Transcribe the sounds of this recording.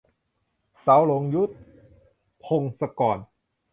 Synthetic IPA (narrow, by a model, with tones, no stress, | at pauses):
sa˩˦wlo˨˦ŋju˦˥t̪̚ | pʰo˧ŋsa˧kɔː˨˩n